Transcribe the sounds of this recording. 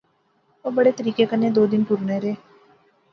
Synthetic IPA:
oːbəɽeːt̪əɾiːkeːkəneːd̪oːd̪ɪnpʊɾneːɾeː

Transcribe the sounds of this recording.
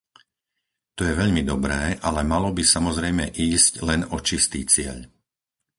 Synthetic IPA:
t̪ɔjɛʋɛʎmid̪ɔbɾɛːʔalɛmalɔbisamɔzɾɛjmɛʔiːsclɛnɔt͡ʃist̪iːt͡sɪɛ̰ʎ

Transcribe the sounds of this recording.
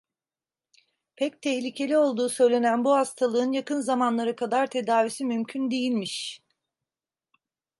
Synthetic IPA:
pʰɛc̚t̪ʰɛçlʲicʰe̞lʲio̞lˠd̪uːsø̞jlʲe̞nænbuhast̪ʰalˠɯɯnjakɯnzamanlˠaɾɯkʰad̪aɾt̪ʰe̞d̪aːvisimymcʰynd̪ejilʲmiʃ

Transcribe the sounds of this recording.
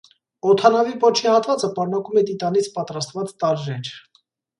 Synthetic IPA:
ɔt̪ʰɑnɑvipɔt͡ʃʰihɑt̪vɑt͡səpɑɾnɑkumɛt̪it̪ɑnit͡sʰpɑt̪ɾɑst̪vɑt͡st̪ɑɾʒɛɾʰ

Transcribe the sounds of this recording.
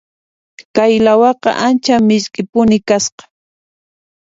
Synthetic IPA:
kajlawɑqɑ̰ʔant͡ʃamɪʎkʼɪpʊnɪkasqɑ̥

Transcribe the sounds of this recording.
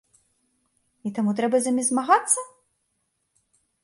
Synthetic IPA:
it̪amut̪ɾɛbɐzɐmʲɛzmaɣat̪sːɐ

